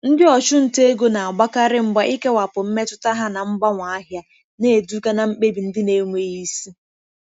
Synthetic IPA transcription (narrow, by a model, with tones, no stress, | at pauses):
n̩˦dɪ˦ɔ˨t͡ʃʊ˦n̩˨te˦ɡo˦na˨a˨ɡ͡ba˦ka˦ɾɪ˦ŋ͡m̩˦ɡ͡ba˦ʔi˦ke˦wa˨pʊ˨m̩˦me˦tʊ˦ta˦ɦa˦na˨m̩˦ɡ͡ba˦ŋʷa˨a˦ɦja˦ | ne˦˨du˦ka˦na˨m̩˦k͡pe˦bi˨n̩˦dɪ˦ne˦ŋʷe˦ji˦si˦